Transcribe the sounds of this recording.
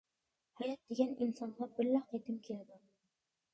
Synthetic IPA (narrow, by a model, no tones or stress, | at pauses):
hajɒt̪̚d̪eɡʲanɪnsɒnʁɑbɪlːæhɑjt̪ɪmkʰʲeld̪ɪm